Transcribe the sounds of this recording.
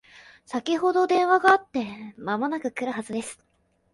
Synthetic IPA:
sakʲiho̞d̪o̞d̪ẽ̞ɰ̃βaɡaːt̪ːe̞mamonakɯ̟kɯ̟ɾɯ̟ɦazɨd̪e̞sɨ̥

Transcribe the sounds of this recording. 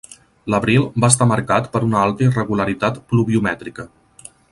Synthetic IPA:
ləβɾilˠbaəst̪aməɾkat̪pəɾunəalˠt̪əirəɣuləɾit̪at̪pluβiumɛt̪ɾikə

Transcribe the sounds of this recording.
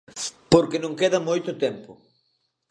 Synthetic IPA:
poɾkɪnõŋkeðɐmojt̪ʊt̪ɛmpʊ

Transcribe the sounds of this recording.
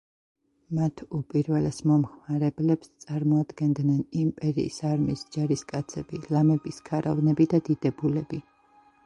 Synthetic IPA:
mat̪ʰupʼiɾvɛlɛsmɔmχmaɾɛblɛpst̪sʼaɾmɔad̪ɡɛnd̪nɛnimpʼɛɾḭḭsaɾmisd͡ʒaɾiskʼat̪sʰɛb̥ilamɛbiskʰaɾavnɛbid̪ad̪id̪ɛbulɛbi

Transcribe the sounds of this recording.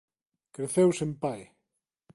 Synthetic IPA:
kɾeθewsempaj

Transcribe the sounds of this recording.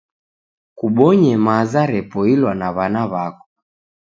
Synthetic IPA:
kuɓɔɲɛmazaɾɛpɔilwanaβanaβakɔ̥

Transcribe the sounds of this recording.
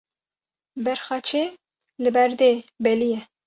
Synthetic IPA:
bɛɾxɑːt͡ʃʰeː | lɨbɛɾd̪eːbɛlijɛ

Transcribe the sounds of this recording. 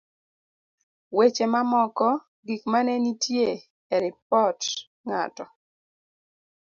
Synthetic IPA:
wet͡ʃemamɔkɔ | ɡikmanɛnitje | eɾip̚ɔt | ŋa̰tɔ

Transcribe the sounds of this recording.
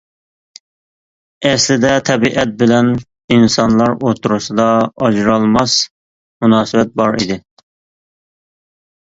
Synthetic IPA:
ɛslɪd̪ɛt̪ʰɛbiʔɛt̪̚bɪlɛn | insɑnlˠɑɾot̪ʰɾusɨd̪ɑɑd͡ʒɾɑlˠmɑs | munɑːsɨbɛt̪̚bɑɾḭd̪ɪ

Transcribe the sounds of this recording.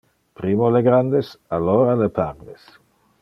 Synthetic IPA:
pɾimoleɡɾand̪esaloɾalepaɾnes

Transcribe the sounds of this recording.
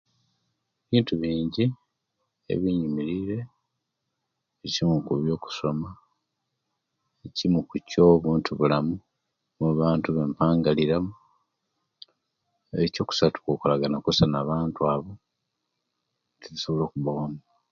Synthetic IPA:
eβiːntuβiːɲɟi | ḛβiɲumiɾiɾe̞ | βicimukuβjo̞ːku̥so̞ma | ecimukuco̞βuːntʰuβulamu | muβaːntuβe̞ːmpaːŋɡaliɾamu | eco̞ːku̥satu̥kokulaɡanakusanaβaːntuaːβo̞ | tʰiβiso̞βo̞lo̞ːkuβawamu

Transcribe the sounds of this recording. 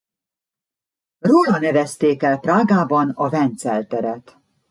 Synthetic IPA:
roːlɒnɛvɛst̪eːkɛlpraːɡaːbɒnɒvɛnt̪sɛlt̪ɛɾɛt̪

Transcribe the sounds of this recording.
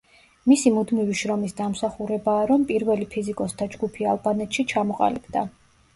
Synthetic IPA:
misimud̪miviʃɾɔmisd̪amsaχuɾɛbaːɾɔmpʼiɾvɛlipʰizikʼɔst̪ʰad͡ʒɡupʰialˠbanɛt̪ʃit͡ʃʰamɔqʼa̰lib̥d̪a̰

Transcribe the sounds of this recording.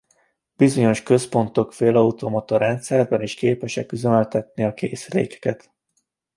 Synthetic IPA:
b̥izo̞ɲo̞ʃkø̞spo̞nt̪o̞kfeːlɒut̪omɒt̪ɒɾɛnt̪sɛrbɛniʃkeːpɛʃɛkyzønølt̪ɛt̪̚niɒkeːsrḛːkɛ̥kɛt̪

